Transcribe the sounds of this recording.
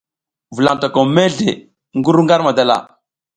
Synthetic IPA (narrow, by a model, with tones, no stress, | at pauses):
vu˨la˨ta˨ko˨me˦ɮe˨ | ŋɡu˦ɾu˦ŋɡa˦ɾma˨da˨la̰˨